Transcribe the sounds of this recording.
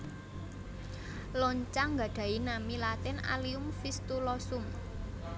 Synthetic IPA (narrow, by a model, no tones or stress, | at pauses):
lɔɲt͡ʃaŋɡa̤ɖ̥a̤inamilat̪ɪna̰liʊmfist̪ulɔsʊm